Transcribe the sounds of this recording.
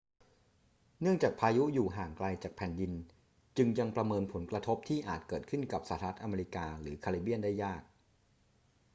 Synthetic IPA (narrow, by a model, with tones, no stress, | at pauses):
nɯ˥˩əŋt͡ɕaː˨˩k̚pʰaː˧ju˦˥juː˨˩ɦaː˨˩ŋkla˧jt͡ɕaː˨˩k̚pʰɛː˨˩ndi˧n | t͡ɕɯ˧ŋja˧ŋpɾa˧mɤː˧npʰo˩˦nkɾa˧t̪ʰo˦˥p̚t̪ʰiː˥˩ʔaː˨˩t̪̚kɤː˨˩t̪̚kʰɯ˥˩nka˨˩p̚saː˧˩t̪ʰa˧˦a˦˥t̪ʔa˧meː˧i˦˥kaː˧ɾɯː˩˦kʰa˧li˦˩bi˥˩ənda˥˩jːaː˥˩k̚